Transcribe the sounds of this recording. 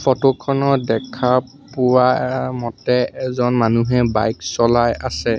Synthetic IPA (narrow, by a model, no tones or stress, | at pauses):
fʰotokʰɔnɔdɛkʰapʊwamɔtɛɛzɔnmanuɦɛba̰jksɔlajasɛ